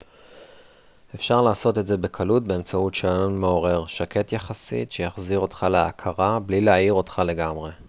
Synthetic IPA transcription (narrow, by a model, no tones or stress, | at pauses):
efʃaʁlaːso̞te̞tze̞be̞kʰalut̚be̞emt͡sautʃeaonme̞o̞ʁe̞ʁʃake̞tjaχasḭtʃejaχziʁo̞tχaleakʰaʁablileajiʁo̞tχale̞ɡamʁe̞